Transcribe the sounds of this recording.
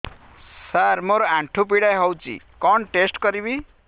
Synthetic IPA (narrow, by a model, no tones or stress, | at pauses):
saɾmoɾoãɳʈʰup̬iɽajɦʌwt͡sḭ | kʌnʈesʈkʌɾibi